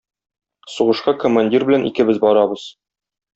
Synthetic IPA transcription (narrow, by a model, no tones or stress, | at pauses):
suʁɤ̆ʃqɑkŏmanʲdʲirbɘ̆lænḭkɘ̆bɘzbɒɾɑbɤz̥